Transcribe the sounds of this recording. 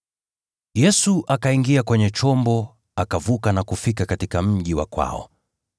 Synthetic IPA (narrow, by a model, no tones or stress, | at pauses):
jɛsuʔakaiŋɡiakwɛɲɛt͡ʃɔmbɔ | akavukanakufikakatikam̩ʄiwa̰kwa̰ɔ̰